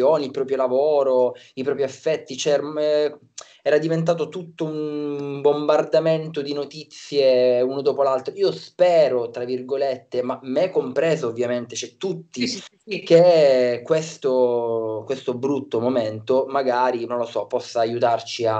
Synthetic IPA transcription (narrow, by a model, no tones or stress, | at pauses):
oːniilpɾɔːpɾjolavoːɾo | ipɾɔːpɾiɛfːɛt̪ːit͡ʃɛɾ | ɛːɾad̪ivent̪̬aːt̪ot̪ut̪ːoumbombard̪ament̪od̪inot̪it̪sːjeunod̪oːpolalt̪ɾoiːospɛːɾot̪ɾavirɡolet̪ːemamɛkːompɾɛːzoːvːjament̪et͡ʃɛt̪ːut̪ːi | kekwest̪okwest̪obɾut̪ːomoment̪omaɡaːɾinõnlosɔpɔsːaːjut̪art͡ʃia